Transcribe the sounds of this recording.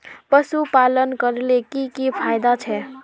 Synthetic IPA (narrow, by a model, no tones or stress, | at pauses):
pəsupalənkəɾlekikipʰajd̪at͡ʃʰɛ